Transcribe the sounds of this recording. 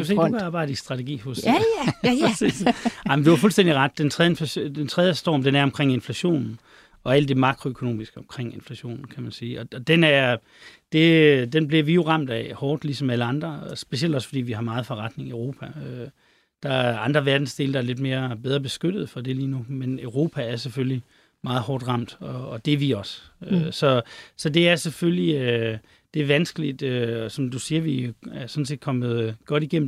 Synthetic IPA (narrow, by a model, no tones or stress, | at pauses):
osḛ̥ːkʰɑ̈ːbɑ̈ɪ̰d̥əisd̥ʁɑ̈t͡sʰeɡḭːhɔ̽sʰ | sḭːsɑ̈ɪ̰mənd̥e̝ʋɑ̈fulsd̥en̰d̥iʁɑd̥ːent͡sʰʁɛðˠenflæd̥ent͡sʰʁɛð̞ˠjəsd̥ɒ̰ːmd̥enæɐɒ̽mkʰʁeŋ̰e̝nflæɕo̝̰ːnn̩ | ɒ̽æl̰d̥e̝mɑ̈ɡʰʁo̝økʰo̝no̝̰ːmisɡ̥əɒ̽mkʰʁeŋ̰e̝nflæɕo̝̰ːnn̩kʰæmænsiːɒ̽ɒ̽d̥enæɐ | d̥e̝d̥enbliɐʋijo̝ʁɑ̈m̰d̥ɛhɒːd̥lisɒ̽mæləɑ̈nd̥ʁɐsb̥e̝siel̰d̥ɒ̽sfɒd̥ḭːʋihɑ̈mɑ̈ːð̞̩ˠfɒ̽ʁɑ̈d̥ne̝ŋiøʊʁo̝ːpʰæø | d̥ɑ̈æɑ̈nd̥ʁɐʋæɐd̥n̩sd̥e̝ːld̥ɑ̈æɐle̝d̥me̝ːɐb̥eð̞ˠʁɐb̥e̝sɡ̥ød̥ð̞̩ˠfɒ̽d̥e̝liːnumenøʊʁo̝ːpʰææɐsefølji | mɑ̈ːð̞̩ˠhɒːd̥ʁɑ̈m̰d̥ɒ̽ːd̥eʋiɒ̽søsɒ̽sɒ̽d̥e̝æɐseføliø | d̥e̝æɐʋænsɡ̥əlid̥øɒsɒ̽md̥usiːɐʋiæsɒ̽n̩se̝̰ːd̥kʰɒ̽mð̞̩ˠɡ̥ɒ̽ɾ̥iɡ̥em̰